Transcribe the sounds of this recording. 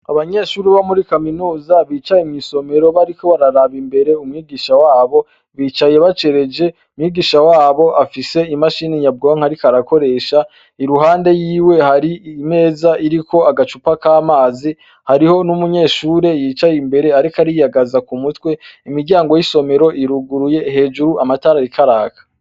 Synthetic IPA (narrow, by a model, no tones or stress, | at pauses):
aβaɲe̞ʃuɾiβamuɾikaminuːzaβiːt͡ʃajimɲiso̞me̞ɾo̞βaɾiko̞βaɾaɾaβimbe̞ɾe̞umŋiːɡiːʃawaːβo̞ | βiːt͡ʃaje̞βat͡ʃe̞ɾe̞d͡ʒe̞ | umɲiːɡiːʃawaːβo̞ʔafise̞imaʃiːniɲab̚ɡoŋ̥haɾikaɾako̞ɾe̞ʃa | iɾuɦaːnde̞jiːwehaɾiːme̞ːzaʔiɾiko̞aɡat͡ʃupakaːmaːzi | haɾiho̞numuɲe̞ːʃuːɾe̞jiːt͡ʃajimbe̞ɾe̞aɾikaɾiaɡazakumutwe̞imiɾɟaːŋɡo̞jiso̞me̞ɾo̞ʔiɾuɡuɾuje̞he̞d͡ʒuɾuʔamataɾaɾikʰaɾaːkḁ